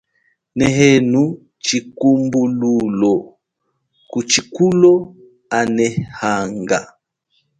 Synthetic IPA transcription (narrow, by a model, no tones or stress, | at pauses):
nɛɦɛnu | t͡ʃikumbululɔ | kut͡ʃikulɔ | anɛhaŋɡa̰